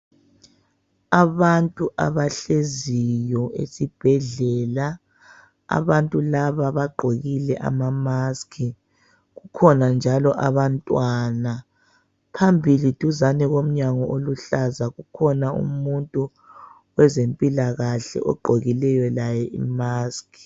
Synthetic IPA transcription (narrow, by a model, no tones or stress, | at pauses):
aβantʼuʔa̰βaɬezijɔḛsib̥ʱɛɮɛːla | a̰βantʼulaβaβaɡ͡ǃʱoɣilɛʔa̰mamaskʰi | ɣukʰɔnand͡ʒʱalɔʔaβantʼwaːna | pʰambʱilid̥ʱuzanɛɣom̩ɲaŋɔʔoluɬazaɣukʰɔnaṵmuntʼu | wɛzempʼilaɣaɬɛ̰ʔɔ̰ɡ͡ǃʱoɣilɛjɔlajɛʔḭmaːskʰi̥